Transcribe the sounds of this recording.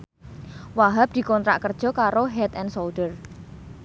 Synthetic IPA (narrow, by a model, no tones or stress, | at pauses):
waɦap̚d̪̥i̤kɔnt̪ɾa̰ʔkərd̥ʒ̥ɔ̤kaɾoɦɛt̪ɛnsolɖər